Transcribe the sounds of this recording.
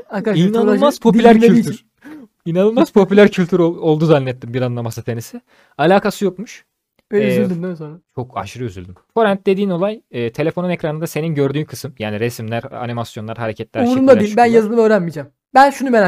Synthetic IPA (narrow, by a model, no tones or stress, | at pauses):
akainanˠmaz̥pʰopylʲæɾylʲiyɾ | inanɯlˠmaz̥pʰo̞pylʲæɾcʰylʲt̪ʰyɾoo̞lˠd̪uzanːʲɛt̪ːimbiɾanlˠamasɯt̪ʰenisɪ | alʲaːkʰasɯjokmuʃ | bøzylʲd̪ymd̪ɛsont͡ʃʰo̞ka̰ʃɯɾɯøzylʲd̪ymfo̞ɾænt̪̚d̪e̞d̪iːno̞lˠajɯːt̪ʰe̞lʲe̞fo̞nunecɾanɯnd̪ase̞ninɟø̞ɾd̪yːnkʰɯ̥sɯmjaːniɾesmlʲæɾa̰nimasjo̞nlˠaɾɦaɾecʰɛt̪lʲæɾuɾumd̪ad̪iibænjazɯnɯmøːɾænmid͡ʒaːm | bænʃunumeɾa